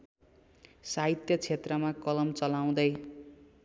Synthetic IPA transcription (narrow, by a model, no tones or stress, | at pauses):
saɦit̪jʌt͡sʰet̪rʌmakʌlʌmt͡sʌlaw̃d̪ʌj